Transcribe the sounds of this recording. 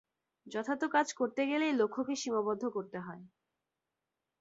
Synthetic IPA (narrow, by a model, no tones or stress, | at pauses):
d͡ʑɔt̪ʰat̪okad͡ʑkoɾt̪eɡelelokʰːokeʃimabɔd̪ʱːokoɾt̪eɦɔe